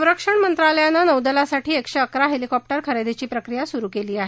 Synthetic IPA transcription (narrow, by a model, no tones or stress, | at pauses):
əʋɾəkʂəɳmənt̪ɾaləjanːanəwd̪əlasaʈiːekɕeəkɾaɦelikɔp̚ʈəɾkʰəɾed̪et͡ɕiːpɾəkɾijasuɾuːkeliːaɦe